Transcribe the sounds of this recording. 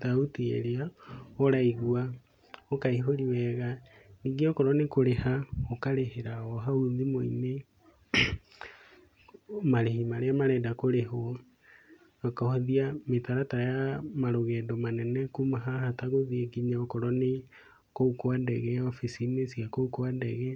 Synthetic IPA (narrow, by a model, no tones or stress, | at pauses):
tautiḛɾeaoɾaiɣua | okaiɦoɾiwɛɣa | niːŋɡeɔkɔɾɔnekoɾehaokaɾeheɾaɔɦauðimoḭne | maɾehimaɾeamaɾɛdakoɾeɦo | okahoðiametaɾataɾajamaɾoɣɛːdɔmanɛnɛkumaɦahataɣoðiɛɡiɲaokɔɾɔne | koukoandɛɣɛɔfisinesiakoukoandɛɣɛ